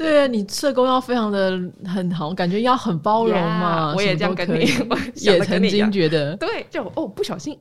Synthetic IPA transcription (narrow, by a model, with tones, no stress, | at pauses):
t̪we˥˩ɪni˨˩t͡sʰɤ˥˧˩ko˥ʊjɑ˥˩ʊfe˥ɪʈ͡ʂʰɑ˧˥ŋd̪ə˨xə˨˩nxɑ˨˩˦wka˨˩nt͡ɕɥɛ˧˥i˥˩˥jɑ˥˩ʊxə˨˩npɑ˥ʊɻo˨˧˥ŋmɐ˧ɔ˧ə˧ɛ˨˩mət͡ɕo˥˩˧ɤ˥˦˥i˨˩jɛ˨˩t͡sʰə˧˥ŋ˧t͡ɕi˥ŋt͡ɕɥɛ˨˧˥d̪ə˨t̪we˥˩ɪt͡ɕo˥˩˨ʔo˥˩pu˥˩ɕjɑ˨˩ʊɕi˥n